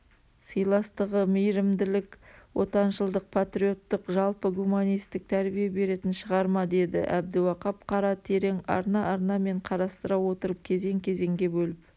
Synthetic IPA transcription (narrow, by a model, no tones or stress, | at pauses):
səjlˠɑst̪əʁəmijɾɪmd̪ɪlɪkwo̞t̪ɑnʃəlˠd̪əq̚pʰat̪ɾio̞t̪ːəqʒɑlˠpəɡumanijst̪ɪk̚t̪ʰæɾbijebe̞ɾe̞t̪ɪnʃəʁɑɾmɑd̪e̞d̪ɪ̰ʔæb̚d̪ɪwɑqɑpqʰɑɾɑt̪ʰe̞ɾe̞ŋɑ̰ɾnɑʔɑɾnɑme̞ɴqʰɑɾɑst̪əɾɑwwo̞t̪əɾəp̚kʲʰe̞ze̞ŋkʲʰe̞ze̞ŋɡʲe̞bɵlɪp̚